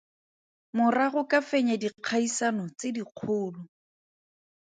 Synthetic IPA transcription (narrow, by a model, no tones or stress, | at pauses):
mʊraɣʊkafeɲadiq͡χʰaisanɔt͡sɪdiq͡χʰʊːlʊ